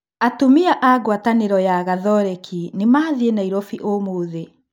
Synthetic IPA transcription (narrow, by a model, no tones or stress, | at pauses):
atomiaʔaɣwataneɾɔjaɣaðɔɾɛkʰinemaːðienaiɾɔfiʔomoːðe